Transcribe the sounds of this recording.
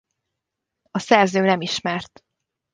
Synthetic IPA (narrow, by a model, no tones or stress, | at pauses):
ɒsɛrzøːnɛmiʃmɛrt̪